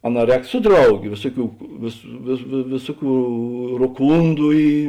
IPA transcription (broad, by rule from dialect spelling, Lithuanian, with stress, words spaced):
ɐˈnɑː ˈrʲɛːk ˈsʊ ˈdrɐʊˌɡʲeː ˈʋʲeːsʊˌkʲuː ʋʲeːs ʋʲeː ʋʲeː ˈʋʲeːsʊˌkʲuː roːˈkuːndʊ ˈiː